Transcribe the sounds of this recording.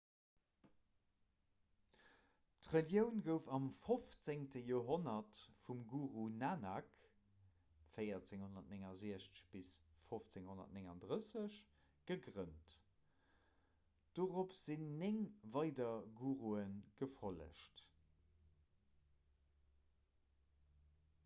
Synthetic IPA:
tʁəljəʊnɡəʊfɑmfoft͡seŋtəjoːɦonɐtfumɡuːʁunanɑk | fəɪɐt͡seŋhonɐtneŋɑziɐʃt͡sə̥ɕb̥isfoft͡seŋhonɐ̰tneŋɑndʁəsəɕ | ɡ̥əɡʁənt | d̥oːʁopz̥inːeŋvɑɪdɐɡuːʁuənɡ̥əfʁolə̰ʃt

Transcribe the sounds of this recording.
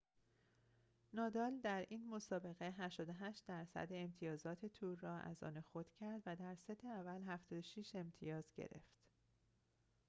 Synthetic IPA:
nɒːd̪ɒːld̪æɾʔiːnmo̞sɒːbe̞ɣe̞ɦæʃt̪ɒːd̪oɦæʃt̪̚d̪æɾsæ̰d̪eemt̪ʰijɒːzɒːt̪ʰe̞t̪ʰuːɾːɒːʔæ̰zɒ̰ːnexod̪̥cʰæɾd̪væd̪æɾset̪ʰeævælɦæft̪ɒːd̪oʃiʃe̞mt̪ʰḭjɒːzɟḛɾe̞̰ft̪

